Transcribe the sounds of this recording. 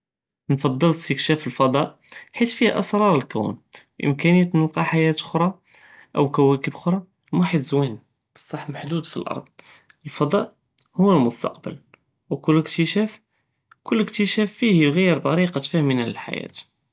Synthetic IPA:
nfɑd̪ˤːələst̪əkʃæfəlfɑd̪ˤɑʔħit̪fihʔəsɾˤɑɾˤəlkæ̰wn | ʔə̰mkænijːæt̪nəlqɑħajæt̪ʔʊxɾˤɑ | ʔəwkæwækəbʔxɾˤɑ | mwaħəd̪zwæn | b̥ə̥sˤːɑħmaħd̪ud̪filʔɑ̰ɾˤd̪ˤ | əlfɑd̪ˤɑʔ | hʊːəlmʊst̪ɑ̰qbə̰l | wkʊlːəkt̪əʃæf | kʊlːəkt̪əʃæfːihjɣæjːəɾt̪ˤɑɾiqɑt̪fæhminæləlħa̰jæ̰t̪

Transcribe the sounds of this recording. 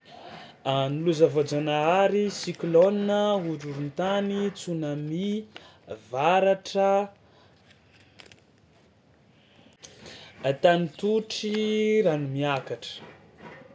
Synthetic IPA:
aniluzavod͡ʒanaaɾisikloninəuɾuɾunt̪anit͡sunami | vaɾaʈ͡ʂə | t̪anit̪uʈ͡ʂiɾanumiakaʈ͡ʂə̥

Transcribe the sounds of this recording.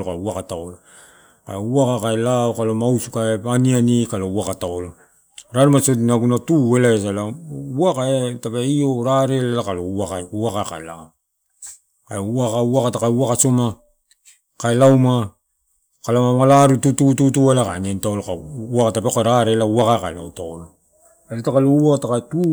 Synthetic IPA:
lokauakataolo | ka̰louakakaelaokalomausu̥kaeanianikalowakataolo | ɾaɾumasotinaɡunatue̞laes̬alawakaetapeioɾaɾelalakaloakauwakaka̰ḛla̰o | kaeuakauakatakauakasoma | kaelawma | kalamamalaɾututututualaka̰niantaolokauakatapekaɾaɾelauakaekaela̰wtaolo | esatakalouakatakaetu

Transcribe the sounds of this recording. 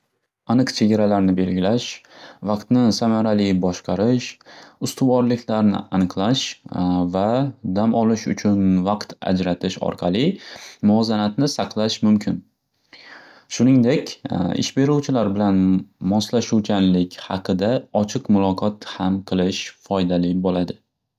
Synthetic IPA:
anɨqt͡ʃʰe̞ɡʲaɾalaɾnɪbe̞lɡʲɪlaʃvɑqt̪nɪsamaɾalɪbɒʃqʰɑɾɪʃʊst̪ʊvɒɾlɪkʲʰlaɾnɪ̰ʔanɨqlˠaʃvad̪amɒlɪʃʊ̰t͡ʃʰʊnvɑqt̪a̰d͡ʒɾat̪ʰɪʃɒ̰ɾqʰɑlˠɪmʊɒzanat̪nɪsɑqʰlˠaʃmʊmkʲʰɪn | ʃʊnɪŋd̪e̞kʲɪ̰ʃbe̞ɾuwt͡ʃʰɪlaɾbɪlanmɒslaʃuwkʲʰanlɪkʲhɑqʰɨd̪aɒt͡ʃʰɨqmʊlˠɒqʰɒt̪hamqʰɨlˠɪʃfɒjd̪alɪbolad̪ɪ

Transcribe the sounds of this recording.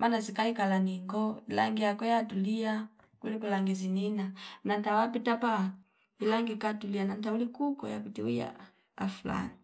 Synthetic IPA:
mʔanazikaikalaniŋɡɔila̰ŋɡiakɔjatulia | kulikulaŋɡizininanantawapitapa | ilaŋɡikatulianantaulikukɔ̰ja̰pitiuja̰ | a̰fula̰ni

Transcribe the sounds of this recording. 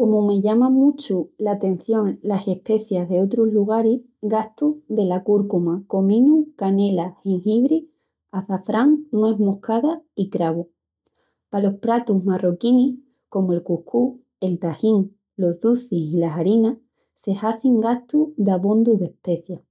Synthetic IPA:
ko̞mume̞ʝamãmut͡ʃulat̪e̞n̟θjo̞ŋlase̞hpe̞θjaɦðe̞o̞t̪ɾozluɣ̞aɾi | ɣast̪uðe̞lakuɾkumako̞mĩnukane̞lahiŋhiβɾi | aθafɾaŋnwezmo̞hkaðaikɾaβu | palo̞hpɾat̪uɦmarokini | ko̞moe̞lkuhkʰu | e̞lt̪ahiŋ | lo̞ɦðuθisilasaɾina | se̞haθiŋɡast̪uðaβond̪uðe̞hpe̞θja

